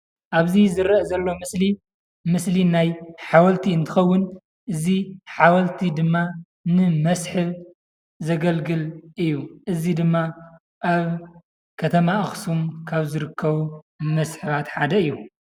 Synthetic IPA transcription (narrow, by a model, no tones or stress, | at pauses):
ʔaβzizɨɾɐʔzɐlːo̞mɨsli | mɨslinajħawɐlt̪ʰiɨnt̪ʰɨxɐwːʊn | ʔɨziħawɐlt̪ʰid̪ɨmːa | nɨmɐsħɨβ | zɐɡɐlɡɨlɨjːuʔɨzid̪ɨmːa | ʔaβ | kʰɐt̪ʰɐmaɨxsumkʰaβzɨɾɨkʰːɐβu | mɐsħɨβat̪ħad̪ɐɨjːu